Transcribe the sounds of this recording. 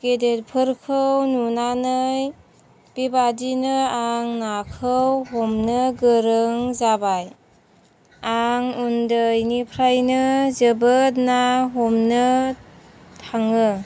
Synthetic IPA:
ɡ̥edet̚pʰɯɾkʰɯwnunanɯj | b̥ibadinɯaŋnakʰɯwɦomnɯɡɯɾɯŋzabaj | aŋundɯjnipʰɾajnɯzəbət̚naɦomnɯ | tʰaŋɯ

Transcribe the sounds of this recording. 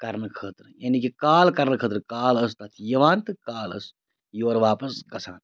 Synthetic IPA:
kɐɾnkʰəːt̪ɾjanikikaːlkɐɾnkʰəːt̪ɾkaːləst̪ɐt̪ʰjɐʋaːnt̪ɨkaːlə̰s | joːɾʋaːpɐskɐsʰaːn

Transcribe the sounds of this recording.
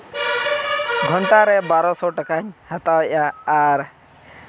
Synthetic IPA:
ɡʱɔɳʈaɾɛbaɾɔsɔʈakaɲhat̪aʔaːɾ

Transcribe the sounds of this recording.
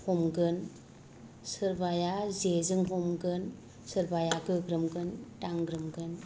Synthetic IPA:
hɔmɡɯn | sɯɾbajazezɯŋɦomɡɯn | sɯɾbajaɡɯɡɾɯmɡɯntaŋɡɾɯmɡɯn

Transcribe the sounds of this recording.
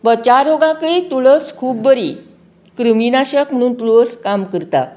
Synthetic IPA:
bət͡ɕaɾoɡãkəit̪uɭəskʰuːbbəɾi | kɾəminaɕəkm̤əɽ̃uːnt̪uləskamkəɾt̪a̰

